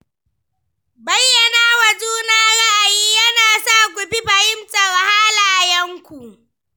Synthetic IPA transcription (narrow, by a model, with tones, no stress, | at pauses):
bɐ˦jːɐ˨naː˦wɐ˨d͡ʒuː˦naː˦ɽaː˨jiː˦jɐ˦naː˨saː˦˨ɡʷʊ˨bi˦ɸɐ˨hɪ˦msʼa˨wɐ˨haː˦laː˨jɐ˦ŋkʷu˨ʔ